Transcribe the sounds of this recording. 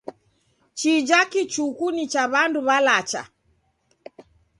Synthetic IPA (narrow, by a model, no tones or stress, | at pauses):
t͡ʃid͡ʒakit͡ʃukunit͡ʃaβanduβalat͡ʃa̰